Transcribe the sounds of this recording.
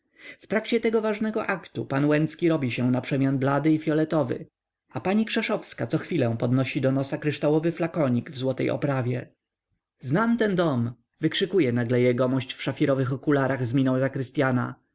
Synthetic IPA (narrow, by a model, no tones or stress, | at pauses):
ft̪ɾakt͡ɕɛt̪ɛɡɔvaʐnɛɡɔʔakt̪upanwɛnt̪skʲiɾɔbʲiɕɛw̃napʂɛmʲjanblad̪ɘifʲjɔlɛt̪ɔvɘ̰ | apaɲikʂɛʂɔfskat̪sɔxfʲilɛ̃w̃pɔd̪nɔɕid̪ɔnɔsakɾɘʂt̪awɔvɘflakɔɲiɡvzwɔt̪ɛjʔɔ̰pɾavʲjɛ | znamt̪ɛnd̪ɔm | vɘkʂɘkujɛnaɡlɛjɛɡɔmɔɕt͡ɕfʂafʲiɾɔvɘxɔkulaɾaɣzmʲinɔ̃wzakɾɘst̪ʲjana̰